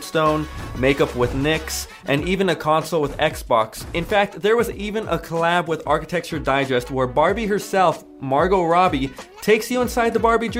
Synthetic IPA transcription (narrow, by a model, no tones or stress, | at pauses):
stõʊ̃nmeɪkʌpwɪðnɪks | ʔɨ̃nivɨ̃nɨkʰɑ̃nsl̩ˠwəðɛksb̥ɑksɨ̃nfæk̚t̪̚ðə˞wʌzivɨ̃nʔə̰kʰəlæbwɨðɑɹkɨtʰɛk̚t͡ʃə˞daɪd͡ʒɛst̚wə˞bɑɹbiɦə˞sɛlˠf | mɑɹɡoʊɹɑbitʰeɪksjɨə̃nsaɪd̪̚ðəbɑɹbid͡ʒ